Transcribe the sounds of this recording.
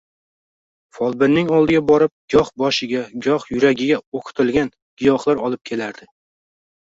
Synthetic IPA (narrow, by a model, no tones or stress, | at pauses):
fɒlˠbɪɾnɪŋɒlˠd̪ɪɡʲabɒɾɪp̚ɡ̥ʲɒχbɒʃɪɡʲaɡʲɒχjʊɾaɡʲɪɡʲaoqʰʊ̥t̪ʰɪlɡʲan | ɡ̥ʲɪjɒχlˠaɾɒlˠɪp̚kʲʰe̞laɾd̪̥ɪ